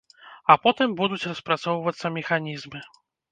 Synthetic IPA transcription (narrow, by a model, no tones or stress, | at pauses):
apɔt̪ɨmbud̪ut͡sʲrɐspɾat̪sɔwvɐt̪sːɐmʲɛxanʲizmɨ